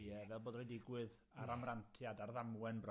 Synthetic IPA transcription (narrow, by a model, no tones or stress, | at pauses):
jɛvɛlˠboːdrojdɪɡwɨðaɾamrantʰjadarðamwɛnbrɔ